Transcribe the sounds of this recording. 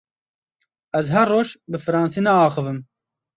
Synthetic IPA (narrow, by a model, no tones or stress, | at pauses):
ɛzɦɛɾːoːʃbɨfɨɾɑːnsiːnɛɑːxɨvɨm